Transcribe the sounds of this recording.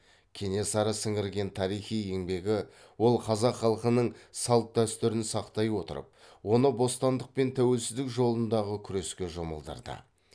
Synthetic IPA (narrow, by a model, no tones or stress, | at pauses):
kʲʰe̞ne̞sɑɾəsɪŋɪɾɡʲe̞nt̪ʰɑɾijχije̞ŋbe̞ɡʲɪ | wo̞lˠqʰɑzɑqχɑlˠqənəɴsɑlˠt̪̚d̪æst̪ʏɾɪnsɑqt̪ɑjwo̞t̪ə̰ɾə̰p̚wo̞nəbo̞st̪ɑnd̪əq̚pe̞nt̪ʰæwe̞lsɪzd̪ɪkʒo̞lˠənd̪ɑʁəkʲʰʏɾe̞skʲe̞ʒomə̰lˠd̪ə̰ɾd̪ə̰